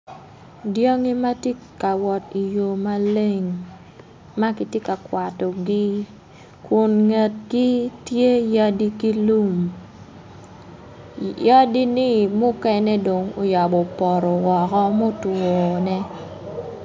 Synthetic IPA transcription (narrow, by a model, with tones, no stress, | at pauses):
djo˦ŋi˦ma˦ti˦ka˨wɔ˨ti˨jo˨ma˦le˦ŋ | ma˦kɪ˦tje˦ka˨kwa˨tɔ˨ɡɪ˦ | kʊ˨nŋe˨t̚ɡi˦tje˦ja˦di˦ki˦lu˦m | ja˦di˦nɪ˦mʊ˦kɛ˦nɛ˦do˨ŋo̰˨ja˨bɔ˨pɔ˨ɾɔ˨wɔ˨kɔ˦mo˦twɔ˨nɛ˦